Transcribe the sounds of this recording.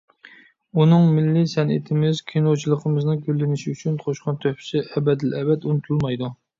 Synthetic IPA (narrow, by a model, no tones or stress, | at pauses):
unɨŋmɪlːɪsɛnɪ̰t̪ʰɪmɪzkʲʰinot͡ʃʰilˠəqʰəmɨznɨɡʲølːɪnɪʃiyt͡ʃʰynqʰoʃqɑnt̪ʰøhpʰɪ̥sɪɛbɛd̪ɪlɛbɛt̪unɨt̪ʰulˠmɑjd̪u